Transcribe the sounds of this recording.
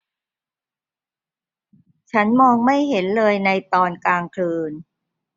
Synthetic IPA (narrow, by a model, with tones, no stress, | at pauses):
t͡ɕʰa˦˥nmɔː˧ŋma˥˩jɦe˩˦nlɤː˧jna˧jt̪ɔː˧nkaː˧ŋkʰlɯː˧n